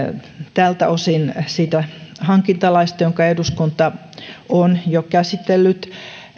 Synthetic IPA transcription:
t̪æːlt̪æosinsiːt̪æhɑŋkint̪ɑlɑist̪ɑjoŋkɑeduskunt̪ɑ | onjokæsit̪elːyt̪

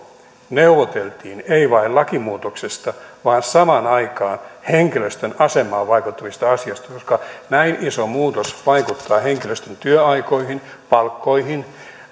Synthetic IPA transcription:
neuʋot̪elt̪iːneiʋɑillɑkimuːt̪oksest̪ɑʋɑːnsɑmɑnɑikɑːnheŋkiløst̪ønɑsemːˑɑːʋʋɑikut̪ːɑʋist̪ɑɑsiɑst̪ɑkoskɑnæinisomuːt̪osʋɑikut̪ːɑːheŋkiløst̪ønt̪yøɑikoihin | pɑlkːoihin

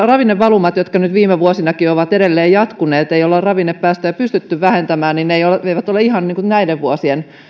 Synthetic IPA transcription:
rɑʋinːeʋʋɑlumɑt̪jot̪kɑnyt̪ʋiːmeʋuosinɑkioʋɑt̪eɾelːeːjjɑt̪kuneːt̪eiolːerrɑʋinːeppæːst̪æjɑpyst̪yt̪ːyʋʋæhent̪æmæːnninneijoleʋeiʋæt̪oleihɑnniːŋkunæileʋʋuosien

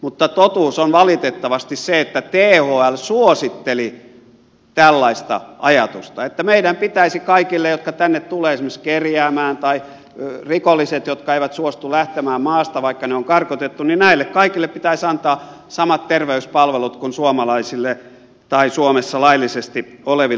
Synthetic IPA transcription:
mut̪ːɑt̪ot̪uːsonʋɑlit̪et̪ːɑʋɑst̪isseet̪ːæt̪eːhoːælsuosit̪ːeli | t̪ælːɑist̪ɑ̰ʔɑjɑt̪ust̪ɑet̪ːæmeiɾæmpit̪æisikɑikilːejot̪kɑt̪ænːet̪t̪uleːesimːekskerjæːmæːnt̪ɑi | rikolːiset̪jot̪kɑeiʋæt̪suost̪ulæht̪emæːmmɑːst̪ɑʋɑikːɑneoŋkɑrkot̪et̪ːuninnæilːekkɑikilːeppit̪æisɑnt̪ɑː | sɑmɑt̪t̪erʋeyspɑlʋelut̪kunsuomɑlɑisilːe | t̪ɑisuomesːɑlɑilːˑisest̪ioleʋi

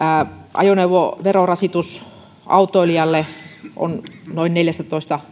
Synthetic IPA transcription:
ʔɑ̰joneuʋoʋerorɑsit̪us | ʔɑ̰ut̪ˑoiliɑlːeʔo̰nnoinneljæst̪æt̪oˑist̪ɑ

